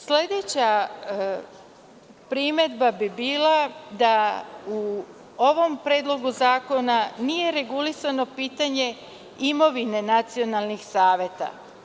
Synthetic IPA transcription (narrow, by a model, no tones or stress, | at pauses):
sle̞d̪e̞t͡ɕa | pɾime̞d̪babibiːlad̪au | o̞ʋo̞mpɾeːd̪lˠo̞ɡuzaːko̞nanije̞ɾe̞ɡulisano̞piːt̪aɲe̞ | imo̞ʋine̞nat̪sio̞nalˠnixsaːʋjet̪a̰